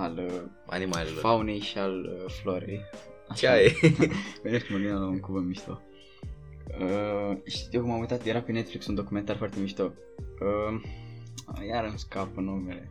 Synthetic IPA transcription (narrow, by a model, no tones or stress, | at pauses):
al | a̰nimalfawnejʃialfloɾḛj | at͡ʃaje | veneskməvinəlaunkuvɨnmiʃt̪o | əʃi̥t̪iokumamujt̪at̪jeɾapenet̪fliksund̪o̞kume̞nt̪arfoart̪emiʃt̪o | ə | jaɾɨnskapənumele